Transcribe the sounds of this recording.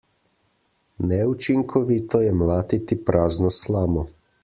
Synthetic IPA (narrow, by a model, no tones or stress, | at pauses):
nɛut͡ʃiŋkʰɔʋit̪ɔjɛmlaːt̪it̪ipɾʔaːznɔslaːmɔ